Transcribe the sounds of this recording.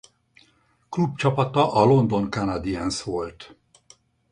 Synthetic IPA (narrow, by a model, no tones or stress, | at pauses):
klubt͡ʃɒpɒt̪ɒʔɒlo̞nd̪o̞ŋkanad̪iɛnsʋo̞lt̪